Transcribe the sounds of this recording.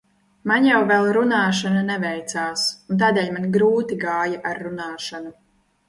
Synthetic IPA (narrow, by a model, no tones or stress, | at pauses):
manjawvɛlˠɾunaːʃananɛvɛjt̪saːsunt̪̬aːd̪ɛːlʲmanʲɡɾuːt̪iɡaːjaʔaɾːunaːʃanu